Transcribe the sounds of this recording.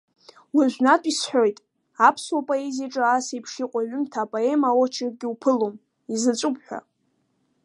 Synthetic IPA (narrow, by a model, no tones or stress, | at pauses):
waʒʷᶣnatʼisħʷᶣo̞jtʼ | apʰswapʼoeziʈ͡ʂʼɨasaipʰʂiqʷʼaɥʏmtʰapʼoe̞mawot͡ʃʰɪrɡʲiupʰɨlom | izɨt͡ʃʷʼʊpʰʼħᶣʷa̰